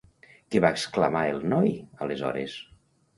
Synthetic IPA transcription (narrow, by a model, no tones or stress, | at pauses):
keβaeksklamaelˠnɔjəlezɔ̰ɾḛs